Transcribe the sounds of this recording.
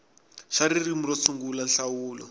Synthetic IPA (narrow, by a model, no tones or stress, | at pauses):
ʃaɾirimuɾɔt͡sʰuŋɡulanɬawuːlɔ